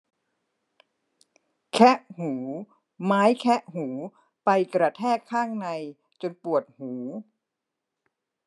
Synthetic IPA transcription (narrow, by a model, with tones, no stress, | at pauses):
kʰɛ˦˥ʔhuː˩˦ | maː˦˥jkʰɛ˦˥ʔɦuː˩˦ | pa˧jkɾa˧t̪ʰɛː˥˩kʰːaː˥˩ŋna˧j | t͡ɕo˧npu˨˩ət̪̚huː˩˦